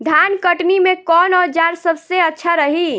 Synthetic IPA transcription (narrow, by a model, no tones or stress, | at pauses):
d̪ʱjankəʈnimẽkɔːnɔːɾd͡ʒaɾsəbseətːʃʰaɾəɦi